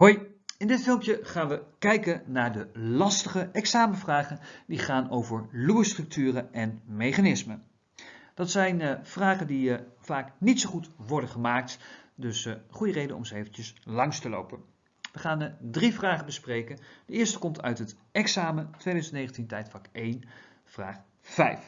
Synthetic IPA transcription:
ɦojɪndɪtfɪlˠmpjəχaːnʋəkɛjkənnaːɹdəlɑstəχəʔɛksaːməvraːχəndiχaːnowvəɹluːəstrɵk̚tyːrəɛnmejχanɪsmə | d̥ɑtsɛjnv̥raːχəndiv̥aːknitsowχutʋɔɹdəχəmaːk̚tdɵsχujərejdənɔ̰mzəejvəncəslɑŋstəlo̰wpən | ʋəχaːndrivraːχəbəsprejkənd̥əɪːɹstə̥kɔmtʰœ̰ɥtɦətɛksaːmətʋejdœɥzəntnejχəntintɛjtfɑkejn | v̥raːχ | vɛ̰jf

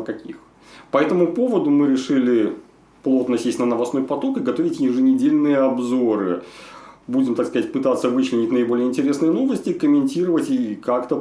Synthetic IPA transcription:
kɐkʲix | pɐɛt̪əmʊpo̞vəd̪ʊmɨɾʲɪʂɨlʲɪ | plˠo̞t̪nəsʲesʲnənəvɐsno̞jpɐt̪o̞kɨɡɐt̪ovʲɪtʲjɪʐɨnʲɪdʲelʲnɨjəɐbzo̞ɾɨ | budʲɪmt̪akskɐzatʲpɨt̪at̪səvɨt͡ɕlʲɪnʲɪtʲnəɪbo̞lʲɪjəɪnʲtʲɪɾʲe̞snɨjəno̞vəsʲtʲɪkəmʲɪnʲtʲiɾəvətʲikakt̪ə

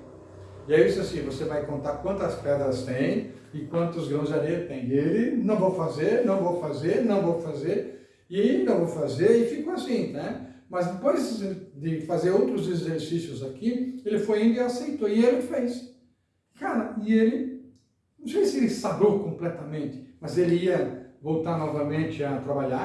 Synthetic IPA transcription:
ɪɛisʊasĩvosevajkõnt̪aɾkwɐ̃nt̪ɐspɛd̪ɾɐst̪ẽj̃ | ɪkwɐ̃nt̪ʊzɡɾɐ̃w̃zad̪eɾt̪ẽj̃elɪnɐ̃w̃võwfazeɾnɐ̃w̃vowfazeɾnɐ̃w̃vowfazeɾ | ɪaĩd̪ɐvowfazeɾɪfikʊasĩnɛ | mɐzd̪epojzɪd̪ɪfazeɾowt̪ɾʊzezeɾsisjʊzakielɪfojẽd̪ɪasejt̪oɪelɪfejs | kaɾɐɪelɪ | nũw̃sejsɪelɪsabokõmplɛt̪ɐmẽnt̪ɪ̥mɐzelɪiɐvowt̪aɾnɔvɐmẽnt͡ʃ̪ɪɐt̪ɾabaʎa

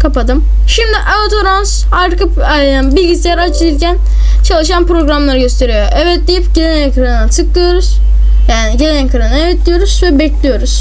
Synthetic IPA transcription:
kʰapad̪ɯm | ʃimd̪iʔaot̪ʰoɾans | aɾkɯ | bilʲɟisijæɾat͡ʃʰilcʰæn | t͡ʃʰalˠɯʃanpɾo̞ɡɾamlˠaɾɯɟø̞st̪ʰe̞ɾijoʔɛvɛt̪d̪ʲijipɟelʲenekʰɾannt͡ʃʰɯklˠɯjo̞ɾuz̥ | jaːniɟelʲenɛkʰɾanaevɛt̪lʲijo̞ɾuz̥vɛbɛclʲijo̞ɾuz̥

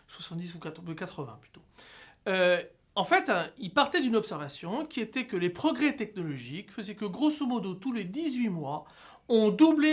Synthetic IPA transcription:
swasɑ̃t̪d̪isuk̪kat̪χəvɛ̰̃ply̥t̪o | ø | ɑ̃fɛt̪ɛ̃ilpaʁt̪ɛd̪ynɔpsɛʁvasjɔ̃kʲiet̪ɛkəlepχɔɡʁɛt̪ɛk̚nɔlɔʒikfəzɛkəɡʁosomɔd̪ot̪uled̪izɥimwa | ɔ̃d̪uble

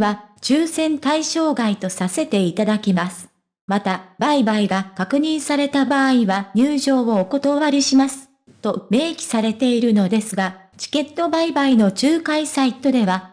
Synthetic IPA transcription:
βat͡ɕɨːsẽ̞nt̪aiɕo̞ːɡait̪o̞sase̞t̪e̞it̪ad̪akʲimasɨ̥ | mat̪abaibaiɡakakɯ̟ɲ̟ĩɰ̃saɾe̞t̪abaːiβaɲ̟ɨːʑo̞ːβoːko̞t̪o̞βaɾʲiɕimasɨ̥ | t̪o̞me̞ːkʲi̥saɾe̞t̪e̞iɾɯ̟no̞d̪e̞sɨɡa | t͡ɕi̥ke̞t̪ːo̞baibaino̞t͡ɕɨːkaisait̪o̞d̪e̞βa

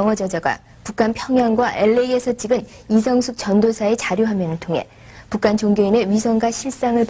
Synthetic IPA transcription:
ʌŋwʌd͡ʑʌd͡ʑaɡa̰ | pukʰanpʰjʌŋɦjaŋɡwaʔe̞ɭːeiesʰʌt͡ɕ͈iɡɯn | is̬ʰʌŋsʰuk̚t͡ɕʌndosʰae̞t͡ɕaɾjoɦamjʌnɯɭtʰoŋɦe̞̰ | puk͈ʰant͡ɕoŋɡeine̞ɥisʰʌŋɡaɕʰiɭs͈aŋɯɭp

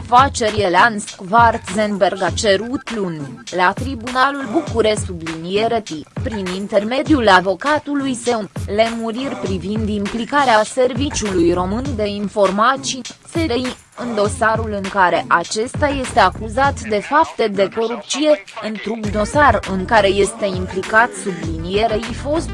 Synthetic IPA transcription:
fat͡ʃe̞ɾʲjelanskvart̪zenberɡat͡ʃe̞ɾut̪lunlat̪ɾibunalulbukuɾe̞sublinije̞ɾət̪ipɾinint̪e̞rme̞d̪iulavo̞kat̪ulujse̞le̞muɾirʲpɾivind̪implikaɾease̞rvit͡ʃulujro̞mɨnd̪e̞info̞rmasiseɾej | ɨnd̪o̞saɾulɨŋkaɾe̞ʔat͡ʃe̞st̪aje̞st̪e̞akuzat̪d̪e̞fapt̪ed̪e̞ko̞ɾup̪sije̞ɨnt̪ɾukd̪o̞sarɨŋkaɾe̞je̞st̪e̞implikat̪sublinije̞ɾeifo̞st̪

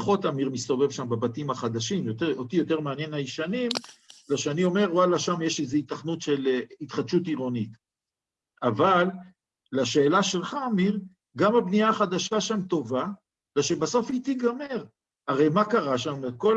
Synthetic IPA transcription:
χo̞tamiʁmist̪o̞ve̞vʃambabat̪imaχad̪aʃimjoteot̪ijo̞te̞ʁmeanje̞najiʃanimlaʃeanio̞me̞ʁwalaʃamje̞ʃezeit̪aχnut̪ʃelit̪χadʃutiʁo̞nit̪ | avalː | aʃe̞ːlaʃe̞lχaːmiʁ | ɡamhabniaːχad̪aʃaʃamt̪o̞va | leʃebaso̞fit̪iɡameʁ | aʁejmakaʁaʃameko̞l

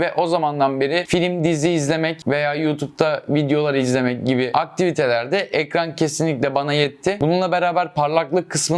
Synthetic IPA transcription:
vɛʔo̞zamand̪anbeɾɪfilʲimd̪iziːzlʲe̞mɛcve̞jaːjuːt̪ʰup̚t̪ʰavid̪ejo̞lˠaɾɯizlʲe̞mɛc̚ɟibɪʔak̚t̪ʰivit̪ʰe̞lʲæɾd̪ɛʔɛkɾancʰe̞sinlʲic̬ʲlʲɛbanajɛt̪ʰːɪbununlˠabe̞ɾaːbæɾpʰaɾlˠaklˠɯkʰːɯsmɯ

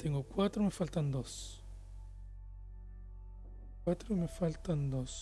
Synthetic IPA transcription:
t̪eŋɡokwat̪ɾomefalt̪and̪os | at̪ɾomefalt̪and̪os

